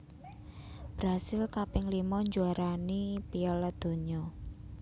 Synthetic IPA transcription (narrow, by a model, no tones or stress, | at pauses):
b̥ɾasɪlkapɪŋlimɔɲd͡ʒuaɾanipiɔlad̪̥o̤ɲɔ